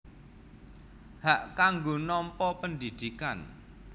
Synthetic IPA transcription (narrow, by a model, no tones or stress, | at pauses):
haʔkaŋɡonɔmpɔpənd̪id̪̥ikan